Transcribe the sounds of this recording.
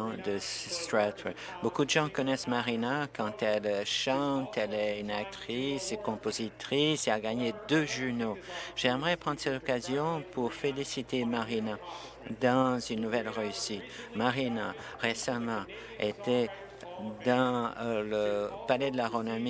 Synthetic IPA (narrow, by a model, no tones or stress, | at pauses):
d̪ət̪ɹat̪ɛ | bokud̪əʒɑ̃kɔnɛsmaʁinakɑ̃t̪ɛlʃɑ̃t̪ʰɛlɛynak̚t̪χisekɔ̃pozit̪χiseaɡaɲed̪øʒynoʒ̥ɛmʁɛpχɑ̃nd̪ʁəsɛt̪ɔkazjɔ̃pʰuʁfelisit̪emaʁina | d̪ɑ̃zynːuvɛlʁeysit̪maʁina | ʁesamɑ̃ | et̪ɛ | d̪ɑ̃ləpalɛd̪əlaʁonɔmi